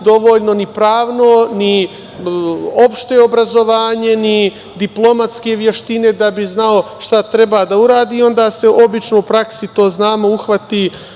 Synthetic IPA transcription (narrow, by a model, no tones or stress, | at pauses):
d̪o̞ʋo̞ːʎno̞nipɾaːʋno̞ni | opʃt̪eobɾazo̞ʋaːɲe̞ni | d̪iplˠo̞mat̪ske̞ʋje̞ʃt̪ine̞d̪abiznao̞ʃt̪at̪ɾe̞baːd̪auɾaːd̪iːo̞nd̪aːse̞ʔo̞bit͡ʃno̞upɾaksit̪o̞ːznaːmo̞uxʋat̪i